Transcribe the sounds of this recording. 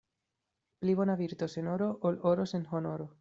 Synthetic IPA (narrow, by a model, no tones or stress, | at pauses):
pliβonaβiɾt̪osenoɾoʔoloɾosenxonoɾo